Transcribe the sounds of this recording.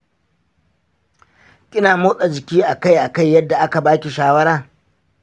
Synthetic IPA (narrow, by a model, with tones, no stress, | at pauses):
kʲʼɪ˦naː˨moː˦sʼa˨d͡ʒɪ˨kʲiː˦ʔa˨ka˦jʔa˨ka˦˨jːɐ˦dːa˨ʔa˦ka˨baː˦kʲi˨ʃaː˦wɐ˦ɽaː˦